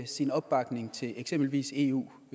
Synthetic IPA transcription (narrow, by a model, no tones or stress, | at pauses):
sinɒ̽b̥b̥ɑ̈ɡ̥ne̝ŋt͡sʰe̝leɡ̥sem̰b̥l̩ʋḭːse̝ṵː